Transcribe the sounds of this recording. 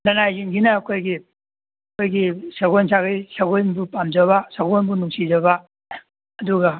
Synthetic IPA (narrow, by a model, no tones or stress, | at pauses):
lɐnajziŋɡinɐːkʰojɡi | ɐkʰojɡisɐɡojnsaɡɐjsɐɡojnbupamd͡ʒɐβasɐɡonbunuŋsid͡ʒɐba | ɐduɡɐ